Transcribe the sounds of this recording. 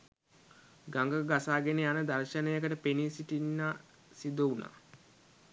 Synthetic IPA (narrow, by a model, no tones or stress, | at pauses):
ɡaŋɡəɡasaːɡeneanəd̪arʃənəjəkəʈəpenisiʈinːaː | sid̪əuna̰